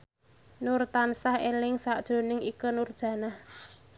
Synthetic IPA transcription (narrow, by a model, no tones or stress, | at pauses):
nʊrt̪ansahelɪŋsaʔd̥ʒ̥o̤nɪŋikənurd̥ʒ̥ä̤nah